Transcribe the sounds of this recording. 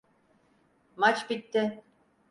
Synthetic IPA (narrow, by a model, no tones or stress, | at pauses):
mat͡ʃbit̪ːɪ